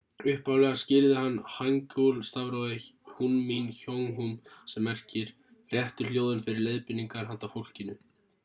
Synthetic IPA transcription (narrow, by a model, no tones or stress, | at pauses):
ʏhpawlɛɣascɪɾðɪɦanːhaŋcowlst̪avɾowðɪhunminçoŋɦumsɛmːɛr̥cɪɾ̥ | rjɛht̪ʏljoːwðʏnfɪɾɪɾlejðpɪnːiŋkaɾ̥ɦant̪afowl̥cɪnːʏ